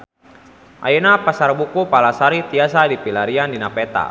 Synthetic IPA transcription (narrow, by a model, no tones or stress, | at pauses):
ʔa̰jɛnapasarbukupalasaɾit̪iasadipilaɾiandinapɛt̪a̰